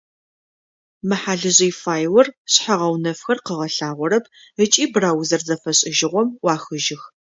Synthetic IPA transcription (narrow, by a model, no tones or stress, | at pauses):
mɨħaːɮɨʑijfaːjwɐrɕħaʁɐwnɐfxɐrqəʁɐɬaːʁʷɔɾɐp̚ʰ | ət͡ʃʼiːbraːwzɐrzɐfɐɕʼɪʒɪʁʷɔmwɑːxɨʒɪx